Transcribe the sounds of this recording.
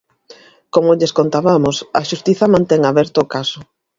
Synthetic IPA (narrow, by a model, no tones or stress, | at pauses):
komʊʎeskont̪aβamʊsɐʃust̪iθɐmãnt̪ɛŋaβɛɾt̪ʊːkasʊ